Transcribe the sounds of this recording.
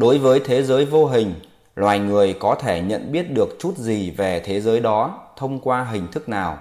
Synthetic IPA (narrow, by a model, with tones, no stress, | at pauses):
ɗo˨˦jvəː˨˦jt̪ʰe˨˦zəː˨˦jvo˧ɦï˨˩ŋ̟ | lwaː˨˩jŋɨ˨˩əjkɔ˨˦t̪ʰe˧˩ɲə̰˧˨nɓi˦˥ət̚ɗɨ˨˩ək̚t͡ɕu˦˥t̚zi˨˩ve˨˩t̪ʰe˨˦zəː˨˦jɗɔ˨˦t̪ʰə˧wŋ͡mkwaː˧ɦï˨˩ŋ̟t̪ʰɨ˦˥k̚naː˨˩w